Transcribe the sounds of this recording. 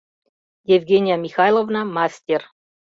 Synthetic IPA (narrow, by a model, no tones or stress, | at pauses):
jevʲɡʲenʲijamʲixɑjlˠovnamasʲt̪ʲer